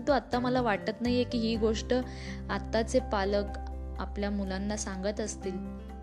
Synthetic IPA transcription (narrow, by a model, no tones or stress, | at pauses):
nt̪uat̪ːaməlaʋaʈt̪ət̪naɦjekiːɦiːɡoʂʈə | at̪ːat͡sepalək | a̰pljamulanːasãŋɡət̪əst̪iːl